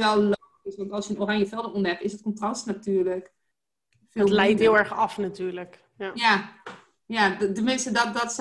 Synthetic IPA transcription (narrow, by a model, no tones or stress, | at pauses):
ʋɛlˠlo | ɪsʋɑntɔlˠsjənoːranjəfɛlˠdərɔndɛpɪsət̚kɔ̃ntrɑstnatyːrlək | fɪtlɛjtɦɪlˠɛɹxɑfnatyːɹlək | ja | jatəmɪnstədɔtdɔts